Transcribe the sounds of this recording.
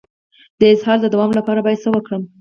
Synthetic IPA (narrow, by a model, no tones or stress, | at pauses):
d̪̥əɪzhɑɾd̪əd̪awɑmlapɑɾabɑjad̪səwəkɽəm